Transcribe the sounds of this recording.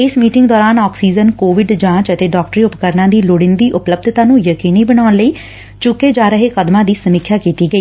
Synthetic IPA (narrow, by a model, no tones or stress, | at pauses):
ɪsmiːʈɪŋɡd̪ɔːɾaːnɔːksiːd͡ʒənkoːʋɪɖd͡ʒãːt͡ʃət̪eːɖɔːk̚ʈɾiːʊpkəɾnãːd̪iːloːɽɪnd̪iːʔʊpləb̚d̪ʱt̪ãːnũːjəkiːniːbənaːʊnləiː | t͡ʃʊkːeːd͡ʒaːɾəɦeːkəd̪mãːd̪iːsəmɪkʰːjaːkiːt̪iːɡəiː